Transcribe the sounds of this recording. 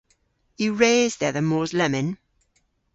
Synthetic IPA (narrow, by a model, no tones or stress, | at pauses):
jəɹeːzðɛðəmɔːzlɛmɪ̃n